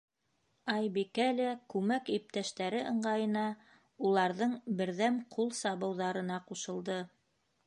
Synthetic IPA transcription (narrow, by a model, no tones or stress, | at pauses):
ɑjbikælækʉmækip̚t̪æʃt̪æɾɘʔɤ̆ɴɢɑjɤ̆nɑ | ulˠɑɾðɤɴbɘ̆ɾðæmqʰulˠsɑβɤ̆wðɑɾɤ̆nɑquʃɤ̆lˠd̪ɤ